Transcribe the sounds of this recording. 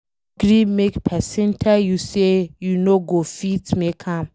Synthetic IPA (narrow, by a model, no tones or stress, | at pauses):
ɡɾĩmekpʰɛsɛ̃ntʰajusejunoɡofitmekʰãm